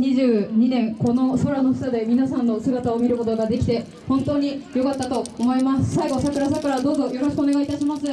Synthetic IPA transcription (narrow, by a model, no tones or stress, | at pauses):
ɲiʑɨːɲ̟inẽ̞ŋko̞no̞soɾano̞ɸt̪ad̪e̞mʲinasãnːo̞sɨɡat̪ao̞mʲiɾɯ̟ko̞t̪o̞ɡad̪e̞kʲi̥t̪e̞ | hõ̞nt̪o̞ːɲ̟ijo̞kat̪ːat̪o̞ːmo̞imasɨ̥saiɡo̞sakɯ̟ɾasakɯ̟ɾad̪o̞ːzo̞jo̞ɾo̞ɕi̥kɯone̞ɡait̪aɕimasɨ